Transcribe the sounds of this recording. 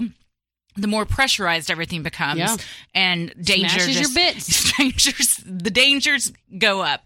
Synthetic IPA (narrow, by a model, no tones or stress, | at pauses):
ðɨmɔɹpʰɹ̥ɛʃə˞aɪzdɛvɹiθɪ̃ŋbɨkʰʌ̃jmzʔɨ̃ndẽɪ̃nd͡ʒə˞ə˞bɪtstɹ̥ẽɪ̃nd͡ʒə˞z̥ðɨdẽɪ̃nd͡ʒə˞z | ɡoʊʌp̚